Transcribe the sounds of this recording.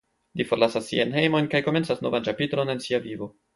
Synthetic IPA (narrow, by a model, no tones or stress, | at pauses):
lifo̞ɾlasasːḭajnɦe̞jmo̞jnkajko̞me̞nt͡sasno̞̰vant͡ʃapitlo̞ne̞nsiavivo̞